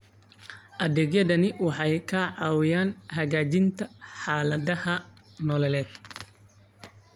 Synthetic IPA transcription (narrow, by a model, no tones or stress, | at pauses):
ʔɐðɛːɡjɐðɐnɪwɑħɑjkʰɐʕɑːwɪjaːnɦɐɣaːt͡ʃɪnt̪ʰɐħaːlɐðɐhɐ | nɔːlɛlɛːd̪̥̚